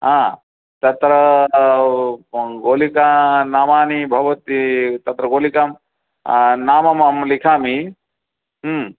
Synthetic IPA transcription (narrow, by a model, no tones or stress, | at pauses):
ɦãː | t̪ɐt̪ɾɐ | ɡoːlikaːnaːmaːnibʱɐʋɐt̪it̪ɐt̪ɾɐɡoːlikam | naːmɐmɐmlikʰaːmi | ɦ